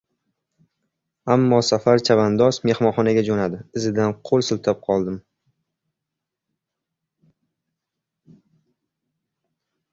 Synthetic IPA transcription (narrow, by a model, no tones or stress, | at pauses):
amːɒsafaɾt͡ʃʰavand̪ɒsme̞hmɒnχɒnaɡʲad͡ʒonad̪ɪɪzɪd̪anqʰolˠsʊlt̪ʰap̚qʰɒlˠd̪ɪm